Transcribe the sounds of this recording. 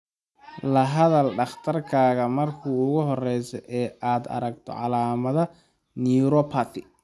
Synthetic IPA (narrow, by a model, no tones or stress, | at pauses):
lɐɦɐðɐlɖɑχt̪ʰɐrkʰaːɣɐmɐrkʰuːʊɣʊɦɔrɛjsɔʔɛːʔaːd̪ɐ̰ɾɐɡt̪ʰɔ̰ʕɑlaːmɐðɐ | niɾɔpʰat̪ʰɪ